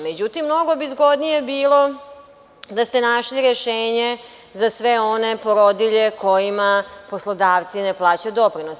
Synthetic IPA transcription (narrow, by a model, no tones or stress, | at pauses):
me̞d͡ʑut̪imːno̞ɡobizɡo̞d̪nijebiːlˠo̞ | d̪ast̪e̞naʃliɾeʃeːɲe | zasʋeo̞nepoɾod̪iʎeko̞jimaposlˠod̪aːʋt̪sineplˠaːt͡ɕaud̪o̞pɾinos